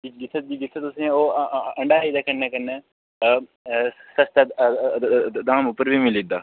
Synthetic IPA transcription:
iɡɪt̪ʰːət̪̚d͡ʒiɡɪt̪ʰːət̪ʊsĩːoːəɳɖaːiːd̪aːkənːeːkənːeː | səst̪a | d̪ãːmʊpːəɾbʱiːmɪlid̪aː

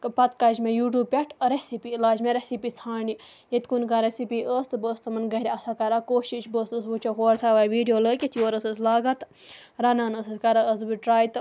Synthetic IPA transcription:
kpɐt̪kɐd͡ʒmejuːʈuːb̚pʲeʈʰɾesipiilaːd͡ʒmeɾesipiːt͡sʰaːɳɖi | jet̪ʲkunkaɾesipiːʔəːst̪ɨbəːst̪ɨmɐnɡɐɦɾʲiɐsakɐɾakoːʃiʃbəːst̪əsbut͡ʃʰoɦoːɾt̪ʰaʋaːjʋiːɖijoːləkʲet̪ʰiʋəːɾəsəslaːɡɐt̪ | ɾɐnaːnəsəskɐɾaəzbiʈɾaːjt̪

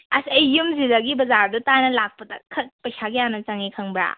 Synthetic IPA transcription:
ɐsɐjːumzidaɡibɐzaɾdɐtajnɐlak̚pɐdɐkʰɐt̚pɐjsʰaɡijanɐt͡ʃaŋikʰɐŋbɾa̰

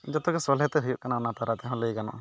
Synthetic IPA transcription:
d͡ʒɔt̪ɔkɛsɔlɦɛt̪ɛɦujuʔ̚kanaːnat̪aɾat̪ɛɦɔ̃ləjɡanɔ̰

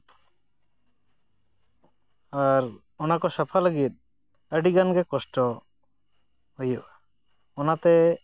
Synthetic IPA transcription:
aɾ | ɔnakɔsapʰaləɡit̪̚ | əɖiɡanɡɛkɔsʈɔ | hujɔʔa | ɔnat̪ɛ

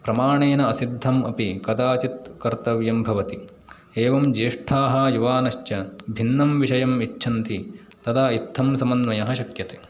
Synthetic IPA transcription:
pɾɐmaːɳeːnɐɐsid̪ʱːɐmɐpikɐd̪aːt͡ʃit̪̚kɐɾt̪ɐʋjɐmbʱɐʋɐt̪i | eːʋɐmd͡ʒeːʂʈʰaːɦɐjuʋaːnɐʃt͡ʃɐbʱinːɐmʋiʃɐjɐmit͡ʃːʃʰɐnt̪i | t̪ɐd̪aːit̪ʰːɐmsɐmɐnʋɐjɐɦɐʃɐkjɐt̪eː

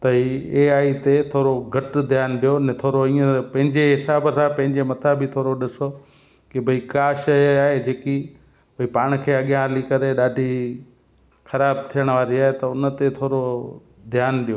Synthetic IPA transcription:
t̪ɐɦieːaːit̪et̪ʰoːɾoɡʱɐʈd̪ʱjaːnɗijonɛ̃t̪ʰoːɾoĩːə̃pɐ̃ɦɪ̃ɲd͡ʑeɦɪsaːbsãpɐ̃ɦɪ̃ɲd͡ʑemɐt̪ʰabʱɪt̪ʰoːɾoɗɪso | kɪbʱɐikaːʃaːɦed͡ʑeːki | bʱɐipaːɽ̃̆kʰeːɐɠjãalikɐɾeɗaːɖʱi | xɐɾaːbt̪ʰijəɽ̃ʋaːɾiaːɦet̪ɐʊnə̆t̪et̪ʰoːɾo | d̪ʱjaːnɗijo

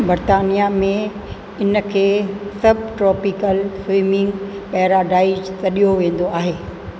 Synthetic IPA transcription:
bɐɾt̪aːnijamẽ | ɪnə̆kʰeːsɐbʱʈɾɔːpɪkəlfiːmɪ̃ŋɡpɛːɦɾaɖaːɪd͡ʑt̪ɐɗijoʋẽːn̆d̪oaːɦeː

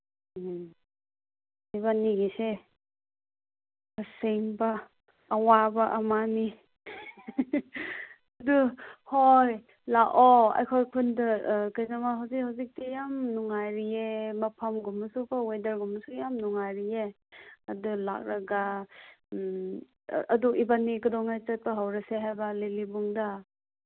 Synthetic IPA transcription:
iβaniɡise | bɐseŋbɐː | wabɐʔɐmani | ɐduhoj | laʔoa̰jkʰojkʰundɯkajnamaɦawzikhawzik̚tijamnuŋajɾiemɐpʰamɡumːɐsubawejdɐɾɡumɐsujamnuŋajɾie | ɐdula̰k̚ɾaɡa | ʔɐduʔibanːikudɔŋajt͡ʃɐt̚pɐɦawɾɐseɦajbɐlelibuŋda

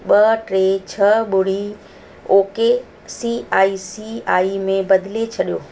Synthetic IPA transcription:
ɓɐʈɾeːt͡ɕʰɐɓʊɽ̤i | oːke | siaːisiaːimẽbɐd̪ɪlet͡ɕʰɐɗijoː

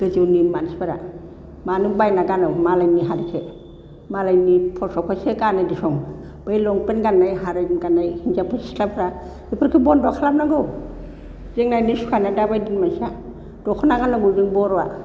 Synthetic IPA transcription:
ɡ̥ɯd͡ʒɯwnimansbaɾa̰ | manubajnaɡanawmalajniɦaɾikʰe | malajnipʰɔsɔkʰɔsekanadisɔŋ | b̥ajlɔŋpenɡanːajɦaɾajmɡanːajhind͡ʒapʰɯsikʰlapʰɾa | ipʰɯɾkʰibɔndɔkʰalap̚naɡɯw | zeŋnajnisu̥kʰanadabajdinmasa | d̥ɔkʰɔnaɡanaɡuziŋbɔɾɔwa̰

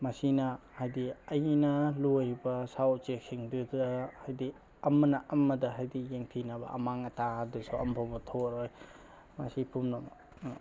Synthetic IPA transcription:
mɐsinɐ | hajdiɐjnɐlojbɐsawt͡ʃek̚siŋdudɐhajdi | ɐmɐnɐʔɐmːɐdɐɦajdikjeŋtʰinɐbɐ̰ʔɐ̰maŋɐtaadusuɐmpʰobɐtʰoɾoj | mɐ̰sipʰumnɐ

